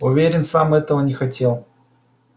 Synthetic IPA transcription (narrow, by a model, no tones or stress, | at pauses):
ʊvʲeɾʲɪnsamɛt̪əvənʲɪxɐtʲe̞lˠ